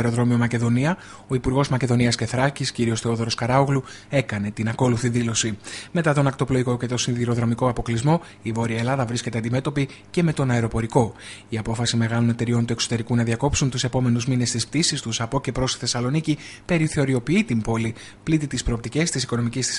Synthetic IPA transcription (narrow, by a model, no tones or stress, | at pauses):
eɾoðɾo̞mio̞mɐce̞ðo̞niɐ | o̞ipuɾɣo̞zmɐce̞ðo̞niɐsce̞θɾɐcisciɾio̞sθe̞o̞ðo̞ɾo̞skɐɾɐoɣlu | e̞kɐne̞t̪inɐko̞luθiðilo̞sime̞t̪ɐt̪o̞nɐkt̪o̞plo̞iko̞ce̞t̪o̞sinðiɾo̞ðɾo̞miko̞ɐpo̞klizmo̞ | ivo̞ɾiɐelɐðɐvɾisce̞t̪eɐnd̪ime̞t̪o̞pi | ce̞me̞t̪o̞nɐeɾo̞po̞ɾiko̞iɐpo̞fɐsime̞ɣɐlone̞t̪e̞ɾio̞nt̪ue̞kso̞t̪e̞ɾikunɐðiɐko̞psunt̪use̞po̞me̞nuzmine̞st̪isp̚t̪isist̪usɐpo̞ce̞pɾo̞st̪i̥θe̞sɐlo̞nicipe̞ɾiθe̞o̞ɾio̞piit̪imbo̞li | plit̪it̪ispɾo̞op̚t̪ice̞st̪isiko̞no̞micisi̥